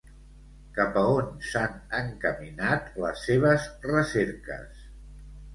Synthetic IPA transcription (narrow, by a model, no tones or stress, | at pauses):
kapəonsanəŋkəminat̪ləsːeβ̞əzrəseɾkə̰s